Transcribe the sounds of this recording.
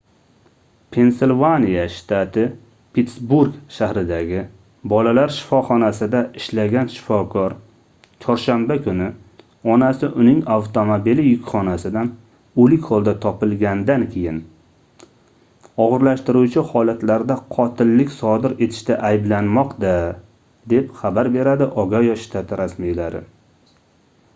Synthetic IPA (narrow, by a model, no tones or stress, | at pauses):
pʰe̞nselvanijaʃt̪ʰat̪ʰɪ | pʰet̪sbuɾɡʃahɾɪd̪aɡʲɪ | bɒlalaɾʃɪ̥fɒχɒnasɪd̪aɪʃlaɡʲanʃɪ̥fɒkʰɒɾ | t͡ʃʰɒɾʃambakʰʊnɪ | ɒnasɪʔʊnɪŋawt̪ʰomobilɪjʊkʲχɒnasɪd̪an | olɪkʲχɒlˠd̪at̪ʰɒpɪlɡʲand̪ankʲʰe̞jɪn | ɒʁɨɾlaʃt̪ɪɾut͡ʃʰɪhɒlat̪laɾd̪aqʰɒt̪ʰɪlːɪkʲsɒd̪ɪɾe̞t̪ʰɪ̥ʃt̪aʔajblanmɒqd̪a | d̪e̞pχabaɾbe̞ɾad̪ɪʔɒɡajɒʃt̪ʰat̪ʰɪɾasmijlaɾɪ̰